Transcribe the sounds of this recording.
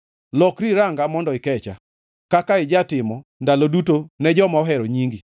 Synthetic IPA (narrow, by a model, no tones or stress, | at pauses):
lɔkɾiɾaŋɡamɔndɔɪkɛt͡ʃa̰ | kakaɪd͡ʒatɪmɔndalodutonɛd͡ʒɔmaɔɦɛɾɔɲiŋɡi